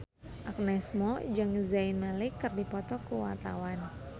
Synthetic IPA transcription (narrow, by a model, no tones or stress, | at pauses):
ʔak̚nɛsmɔd͡ʒaŋzainmalɪkːɨrdipɔt̪ɔkəwa̰t̪awan